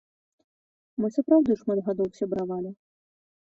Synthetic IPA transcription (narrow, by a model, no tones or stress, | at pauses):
mɨsapɾawd̪ɨʂmad̪ɣad̪ɔwsʲabɾavalʲi